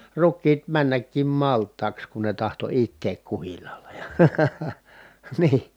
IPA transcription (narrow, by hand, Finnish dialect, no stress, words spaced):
rukˑiːt mænːækːim mɑltˑɑːks kun ne tɑhto itːeːk kuhilːɑːlɑ jɑ̥ niː